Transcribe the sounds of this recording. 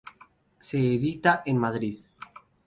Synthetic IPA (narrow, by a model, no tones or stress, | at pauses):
seːðit̪aʔenmaðɾið